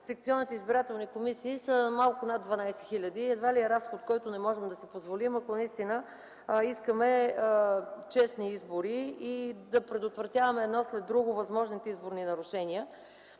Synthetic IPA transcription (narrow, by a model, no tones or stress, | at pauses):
sɛk̚t̪siɔnːit̪ɛizbiɾat̪ɛlˠnikomisiːsəmalˠkʊnad̪̚d̪vɐnajsɛ̥xilʲəd̪iɛd̪valiəɾasxot̪̚kɔjt̪ʊnɛmɔʒɛmd̪ɐsipozvolimɐkonɐist̪inə | iskəmɛ | t͡ʃɛsniizboɾiid̪ɐpɾɛd̪ʊt̪vɾɐt̪ʲjavɐmɛːd̪nɔslɛd̪̚ɾuɡʊvɐzmɔʒnit̪ɛizboɾninɐɾʊʃɛniə